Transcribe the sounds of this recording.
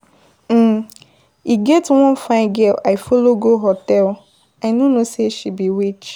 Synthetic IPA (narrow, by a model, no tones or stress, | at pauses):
iɡɛtwɔ̃nfãɪ̃ɡɛlaɪfoloɡoɦɔtɛl | aɪnonoseʃibiwit͡ʃ